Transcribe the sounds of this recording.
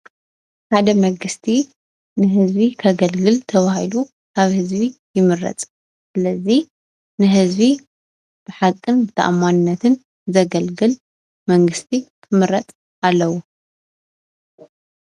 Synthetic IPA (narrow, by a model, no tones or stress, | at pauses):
ħad̪ɐmɐŋɡɨst̪ʰi | nɨɦɨzbikʰɐɡɐlɡɨlt̪ʰɐβahilu | kʰaβhɨzbijɪmɨɾɐ̰t͡sʼ | sɨlɐzi | nɨɦɨzbi | b̥ɨħakʼːɨnt̪ʰa̰ʔamːanɨnːɐt̪ʰɨn | zɐɡɐlɡɨl | mɐŋɡɨst̪ʰik̪ʰɨmɨɾɐt͡sʼ | alːɐwu